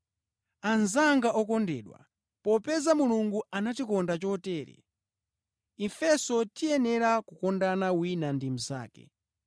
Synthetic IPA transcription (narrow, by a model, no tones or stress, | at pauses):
anzaŋɡaʔɔkɔndɛːɗwa̰ | pɔpɛzamuluŋɡuanatikɔndat͡ʃɔtɛːɾɛ̰ | ifɛsɔtijɛnɛɾakukɔndanawinandim̩za̰ːkɛ̰